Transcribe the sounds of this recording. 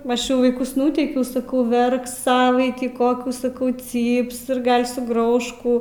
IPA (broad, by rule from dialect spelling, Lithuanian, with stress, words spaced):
ˈɐʃ ˈt͡ʃʲɛ ʋɐɪˈkʊs ˈnuːtʲɛɪkʲɛʊ sɐˈkɐʊ ˈʋʲɛrks ˈsɑːʋɐɪtʲiː ˈkoːkʲuː sɐˈkɐʊ ˈt͡sʲiːps ɪr ˈɡɐlʲ sʊˈɡrɐʊʃ ˈkuː